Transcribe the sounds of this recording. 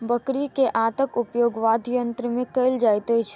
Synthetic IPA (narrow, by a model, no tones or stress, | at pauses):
bəkɾikeʔaːt̪əkʊpjoːɡʋad̪ʱjənt̪ɾəmẽkəɪld͡ʒajt̪əjt͡ʃʰ